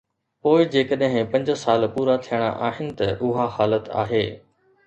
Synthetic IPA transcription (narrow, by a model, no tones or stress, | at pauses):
poːɪd͡ʑeːkəɗɦɪ̃pɐ̃ɲd͡ʑsaːlpuːɾat̪ʰijəɽ̃a̰ʔaːɦɪnɪ̆t̪ɐʔʊɦahaːlət̪a̰ːɦeː